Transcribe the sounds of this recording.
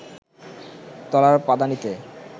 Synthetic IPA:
t̪ɔlaɾpad̪anit̪e

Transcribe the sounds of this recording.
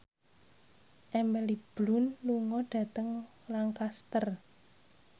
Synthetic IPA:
ʔɛmɛlib̥lʊnluŋɔɖ̥a̤t̪əŋ | laŋkast̪ər

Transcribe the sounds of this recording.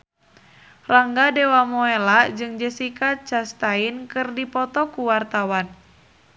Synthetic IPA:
raŋɡadɛwamɔelad͡ʒɨŋd͡ʒəsikat͡ʃast̪ainkɨrdipɔt̪ɔkuwart̪awan

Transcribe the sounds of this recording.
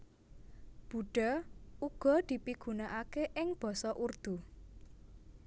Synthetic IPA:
b̥ṳɖ̥ɔ̤uɡ̥ɔ̤d̪̥i̤piɡ̥ṳnaʔakeʔɪŋb̥ɔ̤sɔʔurd̪̥ṳ

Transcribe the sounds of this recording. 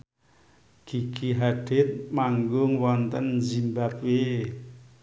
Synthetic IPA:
ɡ̥i̤ɡ̥iɦaɖ̥ɪt̪̚maŋɡʊŋwɔnt̪ənzimbapwe

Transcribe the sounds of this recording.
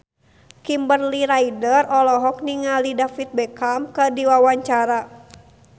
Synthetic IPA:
kimbərliɾaidərɔlɔɦɔk̚niŋalidafit̪̚bɛkamkədiwawaɲt͡ʃaɾa

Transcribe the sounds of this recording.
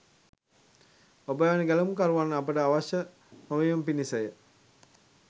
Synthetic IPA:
obəʋanəɡæləmukaɾuʋanːəapəʈəaʋaʃə | məʋejumpinisəjə

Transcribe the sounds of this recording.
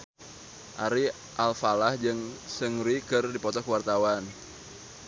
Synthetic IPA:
ʔaɾi | ʔalfalahd͡ʒɨŋsəŋɾikɨrdipɔt̪ɔkəwart̪awan

